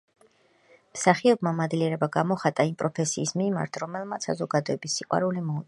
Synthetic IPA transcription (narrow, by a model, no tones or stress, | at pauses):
msaχiɔbmamad̪liɛɾɛbaɡamɔχat̪ʼaimpʼɾɔpʰɛsiːsmima̰ɾt̪ʰɾɔmɛlˠmat̪sʰːa̰zɔɡad̪ɔɛbisːiqʼwa̰ɾulimɔu